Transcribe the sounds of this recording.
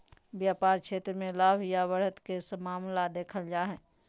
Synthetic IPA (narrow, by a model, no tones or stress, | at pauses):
ʋjaːpaːɾkʃʰeːt̪ɾəmẽlaːbʱjaʋəɾɦət̪kesəmaːmlad̪eːkʰəld͡ʒaːɦɛː